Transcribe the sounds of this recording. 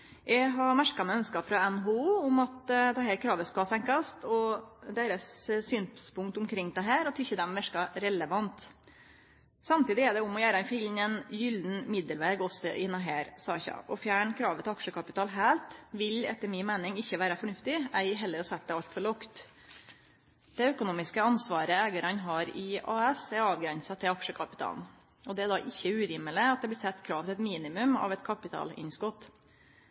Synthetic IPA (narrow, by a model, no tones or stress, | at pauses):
ʔɛɪɦɑmæʂkɑmɛœnskɑfɾɑɛnɦuuːʊmɑt̪d̪ɛɦæːɾkʰɾɑːʋəskɑlsɛŋkɑst̪ɔd̪eːɾəsːyːnspʊŋkt̪ʊmkʰɾɪŋːd̪ɛɦæːɾɔt̪ʰʏçːəd̪ɛmʋæʂkɑɾɛləʋɑnt̪ | sɑmt̪ʰiːd̪ɪɛɖɛʊmɔjæːɾd̪ɛnfɪln̩ɛnjʏld̪n̩mɪd̪əlʋeːɡɔsːɔ̰ʔɪnːɑɦæːɾsɑːçɑ̰ʔɔfjæːɳkʰɾɑːʋət̪ʰɪɑkʂəkʰɑpɪt̪ʰɑːlɦæːlt̪ʋɪlɛ̰t̪ːəmɪmæɪnɪŋɪçːəʋæːɾɑfɔɳʉft̪ɪæɪɦɛlːəɾɔsɛt̪̚d̪ɛɑlt̪fɔɭɔkt̪ | d̪̥ɛœkʊnuːmɪskəɑnsʋɑːɾəæːɡəɾɑnɦɑːɾɪɑːɛsæɾɑːʋɡɾɛnsɑt̪ʰɪlɑkʂəkʰɑpɪ̥t̪ʰɑ̰ːln | ɔd̪ɛæd̪ɑːʔɪçːəʉːɾɪːməlɪɑt̪̚d̪ɛblɪːsɛt̪ːkʰɾɑːʋt̪ɪlɛt̪miːnɪmʉmɑ̰ʋɛt̪kʰɑpɪt̪ʰɑ̰ːlɪ̰nskɔt̪ː